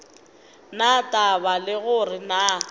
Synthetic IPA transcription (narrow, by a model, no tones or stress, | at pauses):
natʼabalɪɣʊrɪna